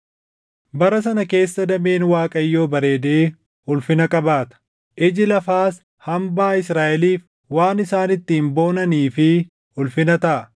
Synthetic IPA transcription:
bɐɾɐs̬ɐnɐke̞ːsːɐd̪ɐme̞ːnwaːkʼɐjːo̞ːbɐɾe̞ːd̪eː | ʊlfɪnɐkʼɐbaːt̪ɐ̥ | ʔɪd͡ʒɪlɐfaːs | hɐmbaːɪsɾaːʔɛliːf | waːnɪsaːnɪt̪ːɪːmbo̞ːnɐniːfɪ | ʊlfɪnɐt̪ɐʔɐ

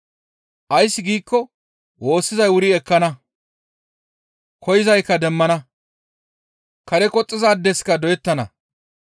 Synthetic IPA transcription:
ʔɐjsːɪɡiːkːɔ | wo̞ːsːɪzɐjwʊɾɪɛkːɐnɐ | kʰɔjɪzɐjkːɐd̪ɛmːɐnɐ | kɐɾɛkʼɔt͡sʼːɪzaːd̪ːɛskɐd̪ɔjɛt̪ːɐnɐ̰

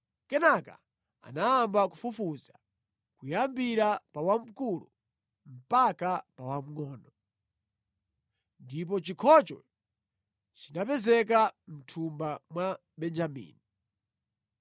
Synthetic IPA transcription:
kɛnaka̰ | a̰naːmbakufufuza | kujambiɾapawam̩kulṵ | m̩pakapawam̩ŋɔːnɔ | ndip̬ɔt͡ʃikʰɔt͡ʃɔ̰ | t͡ʃinapɛzɛk̬am̩tʰumbamwa | bɛnd͡ʒamḭːni

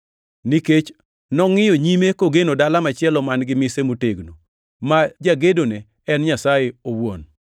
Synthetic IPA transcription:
niket͡ʃ | nɔŋɪjoɲimekoɡenodalamat͡ʃɪɛlɔmanɡɪmɪsemuteɡno | mad͡ʒaɡedone | ɛnɲasajeowwon

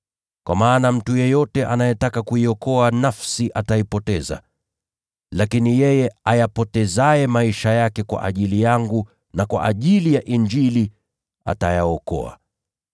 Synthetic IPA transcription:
kwʔamaːnam̩tujɛjɔtɛʔanajɛtakakuiɔkɔanafsiʔataipɔtɛza̰ | lakinijɛjɛajapɔtɛzaɛmaiʃajakɛkwa̰ʔa̰ʄilijaŋɡu | nakwa̰ʔaʄilijaʔiɲd͡ʒili | a̰tajaɔkɔ̰a̰

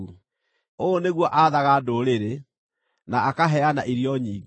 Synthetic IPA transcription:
u | oneɣwɔʔaðaɣadoɾeɾe | naːkaɦɛanaʔiɾjɔɲiːɡ

